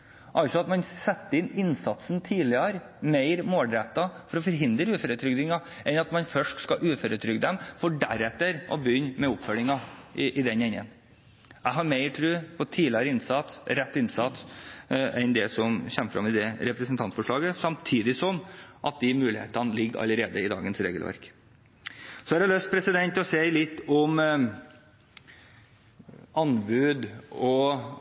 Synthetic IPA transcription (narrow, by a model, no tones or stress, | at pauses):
ʔɑlsɔɑt̪mɑnsɛt̪ːəɪnɪnsɑt̪sn̩t̪ʰiːlɪɑɾ | meɪɾmoːld̪ɾɛt̪ːɑfɔɾɔfɔɾɦɪnd̪ɾəʉːføːɾət̪ʰɾʏɡd̪ɪŋɑ | ʔɛnɑt̪mɑnfœʂʈskɑʔʉːføɾət̪ʰɾʏɡd̪ɛmfɔɖæɾɛt̪ːəɾʔɔ̰bʏnːmɛʊpfœlɪŋɑʔɪʔɪd̪ɛnɛɲːə̰n | æɪɦɑɾmeɪɾʈʰɾʉːpʰɔt̪ʰiːlɪɑɾəɪnsɑt̪ɾɛt̪ːɪnsɑt̪ | ʔɛnd̪ɛsɔmɕɛmːəfɾɑ̰mːɪd̪ɛɾɛpɾəsənt̪ʰɑnt̪fɔʂɭɑːɡəsɑmt̪ʰiːd̪ɪsɔmʔɑt̪̚d̪ɪmʉːlɪhḛːt̪ɑnəlɪɡɑ̰ləɾeːd̪əɪd̪ɑ̰ːɡənsɾḛːɡəlʋæ̰ɾk | sɔɛɾhɑløst̪̚pʰɾɛsɪd̪ɛnt̪ɔseɪlɪt̪ːɔm | ɑnbʉːd̪ɔ